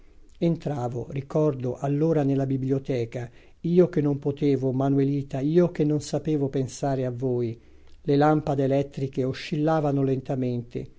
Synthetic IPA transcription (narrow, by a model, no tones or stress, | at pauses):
ent̪ɾaːvo̰rikɔrd̪oʔalːoːɾanelːabibljot̪ɛːka | iːok̟enːompot̪eːvomanweliːt̪aiːok̟enːonsapeːvopensaːɾeavːoːj | lelampad̪ːlɛt̪ːɾikeoʃːilːaːvanolent̪ament̪ḛ